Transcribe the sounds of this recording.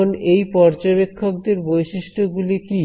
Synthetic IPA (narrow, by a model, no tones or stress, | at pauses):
onejpɔɾd͡ʑoβekʰːok̚d̪eɾbojʃiʃʈʰoɡuliki